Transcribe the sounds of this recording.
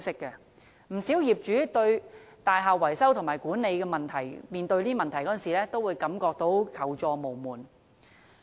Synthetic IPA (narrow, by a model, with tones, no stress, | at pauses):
sɪ˥kːɛ˧ | m̩˨˩siː˨˥wjiː˨˩p̚t͡ʃyː˨˥t̪ɵ˧ɥ | t̪aː˨jɦaː˨k̚wɐ˨˩jsɐ˥wt̪ʰʊ˨˩ŋmaː˨˩jkuː˨˥nne˨˧jkɛ˧mɐ˨nt̪ʰɐ˨˩jmiː˨nt̪ɵ˧ɥt̪iː˥mɐ˨nt̪ʰɐ˨˩jkɔ˨˥˨nsiː˨˩lɛː˥t̪o˥wːuː˨˧jkɐ˨˥mkɔː˧k̚t̪o˨˥wkʰɐ˨˩wt͡sɔː˧mo˨˩wmuː˨˩n